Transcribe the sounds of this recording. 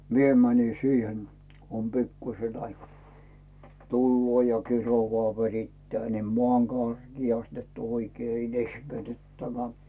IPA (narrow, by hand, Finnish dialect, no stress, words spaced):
mie mæni siːhen kŭ om pikːuĭse ɑikɑː tulːoː jɑ kiroʋɑː ʋeritːæː nim moɑˑm kɑrɡ̊iɑst net oikeː il ehmetytːæmæː